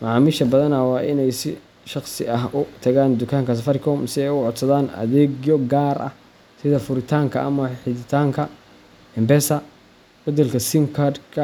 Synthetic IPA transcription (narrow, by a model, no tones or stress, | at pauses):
mɐʕɑːmɪʃɐbɐðɐnɐwɑːʔɪnɛjsɪ | ʃɑχsɪ̰ʔɐɦʊt̪ʰɐɣaːnd̪ʊkʰaːŋkʰɐs̬ɐfɐɾɪkʰɔːmsɪɛjʊʕɔd̪sɐðaːnɐ̰ðɛːɡjɔɡaːɾʔɐ̰h | sɪðɐfʊɾɪt̪ʰaːŋkʰɐʔɐmɐħɪðɪt̪ʰaːŋkʰɐ | ɛmbɛsɐ | b̥ɐd̪ɛlkʰɐsimkʰard̪kʰɐ